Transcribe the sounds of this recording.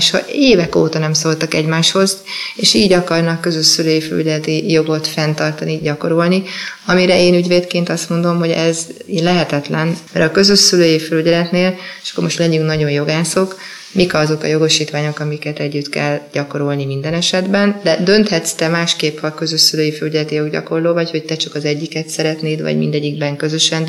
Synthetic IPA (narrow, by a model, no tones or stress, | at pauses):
ʃhɒ̰eːvɛkoːt̪ɒnɛmsolt̪ɒkɛɟmaːʃho̞zeːʃiːɟɒkɒrnɒkːø̞zøʃsyløːjifɛly̰ɟɛlɛt̪ijo̞ɡo̞t̪fɛnt̪ɒrt̪ɒniɟɒko̞ɾo̞lniɒmiɾɛeːnyɟveːt̪keːnt̪ɒst̪mo̞nd̪o̞mɦo̞ɟɛzinlɛɦɛt̪ɛt̪lɛnmɛɾɒkø̞zøʃsyløːjifɛlyɟɛlɛt̪neːle̥ʃɒ̥kːoɾmo̞ʃt̪lɛɟyŋknɒɟo̞njo̞ɡaːso̞k | mikɒːzo̞kɒ̰jo̞ɡoʃiːt̪ʋaːɲo̞kɒmikɛt̪ɛɟːyt̪kɛ̰lːɟ̥ɒko̞ɾo̞lnimind̪ɛnɛʃɛd̪bɛnd̪ɛd̪ø̞nt̪hɛt̪st̪ɛmaːʃkeːpɒkø̞zøʃsyløːjifɛlyɟɛlɛt̪ijo̞ɡɟɒ̰ko̞rloːvɒcho̞c̚t̪ɛt͡ʃɒkɒzɛɟːikɛt̪sɛɾɛt̪neːd̪vɒ̰ɟmḭnd̪ɛɟːiɡ̚bɛŋkø̞zø̞ʃɛn